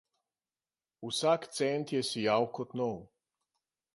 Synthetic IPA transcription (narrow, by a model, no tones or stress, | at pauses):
usakt̪sɛnt̪jɛsijawkɔt̪nɔw